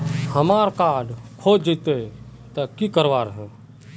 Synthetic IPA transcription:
həmaːɾkaːɖkʰoːd͡ʒd͡ʒit̪e | t̪əkikəɾʋaːɾɦɛ̃ː

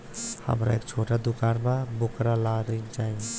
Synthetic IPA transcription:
hə̰mɾa̰ḛːkt͡ʃʰoːʈad̪ukaːnbabokɾalaɾəid͡ʒaːĩ

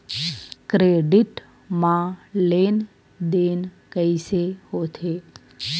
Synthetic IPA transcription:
kɾeɖiʈ | mãleːn | d̪eːn | kəiseɦot̪ʰe

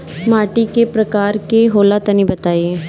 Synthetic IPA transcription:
maːʈiːkepɾəkaːɾkeɦoːlaːt̪anĩːbət̪aːiẽ

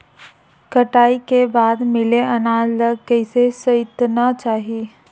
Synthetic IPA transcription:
kɐʈaːikebaːd̪mɪleɐnaːd͡ʒləɡ̚kɛːsesɐɪt̪nat͡ʃaːɦieː

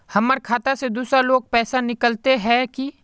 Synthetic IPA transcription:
hɐməɾkʰaːt̪ased̪uːsɾaloːɡ̚pɛːsanɪkəlt̪eɦɛ̃ki

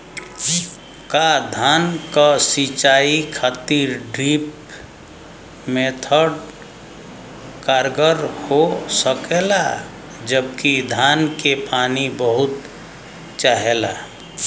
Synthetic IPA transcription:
kad̪ʱankəsit͡ʃaikʰat̪iɾɖɾip | met̪ʰəɖ | kaɾɡəɾhosəkela | d͡ʒəbkid̪ʱankepanibəɦut̪ | t͡ʃaɦela̰

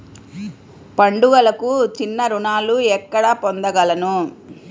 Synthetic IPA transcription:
pɐɳɖuɡɐlɐkut͡ʃinːɐɾuɳaːluɛkːɐɽaːpond̪ɐɡɐlɐnu

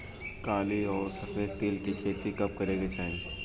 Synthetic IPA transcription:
kaːliɔːɾsɐfʰeːd̪̚t̪eːlkit͡ʃʰeːt̪ikɐp̚kɐɾeːɡet͡ʃaːɦẽ

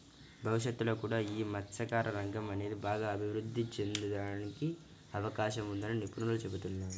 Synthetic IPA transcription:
bʱɐʋiʃɐt̪ːulo̞ːkuːɽaːiːmɐtːsɐkaːɾɐɾɐŋɡɐmɐne̞ːd̪ibaːɡaːbʱiʋɾud̪ʱːit͡ʃe̞nd̪ud̪aːniki | ɐʋɐkaːʃɐmund̪ɐninipunuulut͡ʃebut̪unːaːɾu

